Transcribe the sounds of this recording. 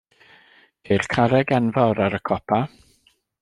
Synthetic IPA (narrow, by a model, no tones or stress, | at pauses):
hirkʰaɾɛɡɛnvaɾaɾəkʰɔpʰa